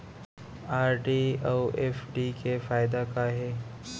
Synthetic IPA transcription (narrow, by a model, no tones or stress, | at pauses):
aːɾɖiawɛːfɖikefaːɪd̪akaɦɛː